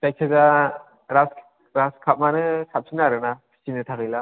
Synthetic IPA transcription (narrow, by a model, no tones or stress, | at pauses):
tajk̚sʰaza | ɾas | ɾaskʰap̚manɯsap̚sʰinaɾɯnapʰi̥sinɯtʰakɯjla